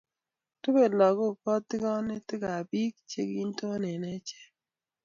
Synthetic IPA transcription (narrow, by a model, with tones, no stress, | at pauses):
to˦be˨dlɔ˨ɡo˦˨pɔ˦tːɪ˦ɡɔ˦nɪ˦tɪ˦ɡa˨bi˦k̚t͡ʃḛ˨ɡi˦n˦to˦nɛ˨nɛ˦t͡ʃe̥˦